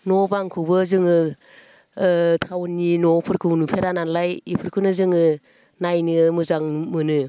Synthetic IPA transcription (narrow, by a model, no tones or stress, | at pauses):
nɔbaŋkʰɯwbɯzɯŋɯ | tʰawnːinɔpʰɯɾkʰɯwnupʰeɾananlajipʰɯɾkʰɯnɯzɯŋɯ | najnɯmɯzaŋmɯnɯ